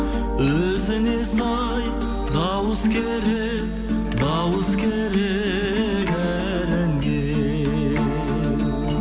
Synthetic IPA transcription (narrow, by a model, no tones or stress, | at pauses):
ɵ | zɪne̞sɑ | j | d̪ɑwəskʲʰeɾe | k | d̪ɑwəskʲʰeɾe | kæ | ɾɪŋɡʲe